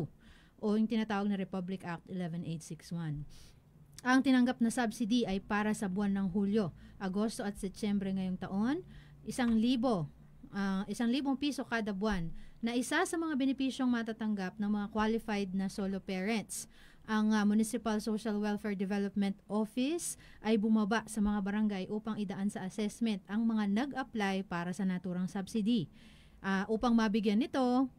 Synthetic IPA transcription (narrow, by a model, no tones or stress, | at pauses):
ʔojʊŋt̪ɪnat̪aːwɐɡ̚nɐɾɛpablɪkʔak̚t̪ɪlɛvɛnʔejt̪̚sɪkswan | ʔɐŋt̪ɪnɐŋɡap̚nɐsabsid̪iʔɐjpaːɾɐsɐbʊanːɐŋɦuːljo̞ʔɐɡo̞st̪o̞ʔɐt̪̚sɛp̚t͡ʃɛmbɾɛŋɐjo̞ŋt̪ɐʔo̞n | ʔɪsaŋliːbo̞ | ʔɐʔɪsaŋliːbo̞ŋpiːso̞kaːd̪ɐbwanːɐʔɪsasɐmɐŋabɛnɪpiːʃjoŋmɐt̪aːt̪ɐŋɡap̚nɐŋmɐŋakwalɪfajd̪̚nɐsolopɛːɹɛnt̪s | ʔɐŋɐmʊnɪsɪpɐlsowʃɐlwɛlfɛɹd̪ɛvɛlop̚mɛnt̪ʔo̞fɪsʔɐjbʊmɐbaʔsɐmɐŋabɐɾɐŋɡajʔuːpɐŋʔɪd̪ɐʔansɐʔɐsɛsmɛnt̪ɐŋmɐŋanɐɡʔɐplajpaːɾɐsɐnɐt̪uːɾɐŋsɐbsid̪i | ʔaʔuːpɐŋmɐbɪɡjanːɪt̪o̞